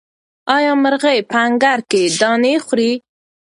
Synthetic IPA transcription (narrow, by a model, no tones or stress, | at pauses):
ɑjɑməɾɣəjpəaŋɡaɾked̪ɑnexɾi